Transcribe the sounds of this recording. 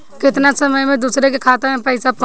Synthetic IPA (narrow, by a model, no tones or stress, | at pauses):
kɪt̪nasəməjmẽd̪uːsɾek̬ekʰaːt̪amẽpɛɪsap